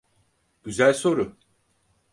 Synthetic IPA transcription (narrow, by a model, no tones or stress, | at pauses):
ɟ̥yzælʲso̞ɾʊ